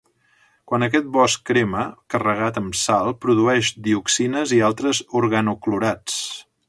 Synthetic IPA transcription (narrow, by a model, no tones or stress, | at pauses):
kwanək̬ɛt̪̚bɔskɾeməkərəɣ̞at̪əmsalˠpɾuðuɛʃd̪iuksinəzialˠt̪ɾəzuɾɣənukluɾat͡s